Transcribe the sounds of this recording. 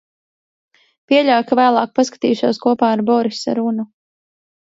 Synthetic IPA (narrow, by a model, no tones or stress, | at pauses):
piɛʎʲawkavæːlˠɑːk̚paskḁt̪iːʃuːskuɔpaːaɾbɔɾisa̰ɾunu